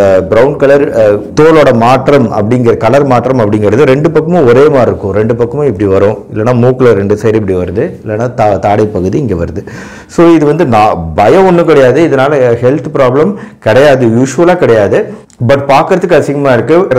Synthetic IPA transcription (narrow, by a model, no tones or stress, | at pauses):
bɪɾɐʊɳkɐlɐɾt̪oːloːɽɐmaːʈrɐmɐ̰pːɐɽɪŋɡɪɾɐkɐlɐɾmaːʈːɾɐmɐpːɐɽɪŋɡɐɾɯðɯɾɛɳɖɯpɐkːɐmõɔɾeːmaːɾɪɾɯkːʊ̃ɾɛɳɖɯpɐkːɐmõɪpːɐɽiʋɐɾõːɪlːɐnːaːmuːklɐɾɛɳɖɯsejɾɪp̬ːɐɽiʋɐɾɯðɯɪlːɛnːaːt̪at̪aːɽɐɪpːɐɣɯðiɪŋɡeːʋɐɾɯðɯ | soːɪðɯʋɐnd̪ɯnaːbɐjɐ̃ɔnːɯkɪɽɐjaːðɯɪðɐnaːlɐhɛlt̪pɾaːblɐmkɪɽɐjaːðɯjuːʂʋɐlaːkɪɽɐjaːðɯ | bɐʈ̚ːpaːɾkɯɾɐðɯkːɐsɪŋɡɐmaːɪɾɯkːɯɾ